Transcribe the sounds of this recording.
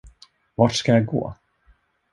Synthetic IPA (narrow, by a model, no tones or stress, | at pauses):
vaːʈskajaɡo̰ː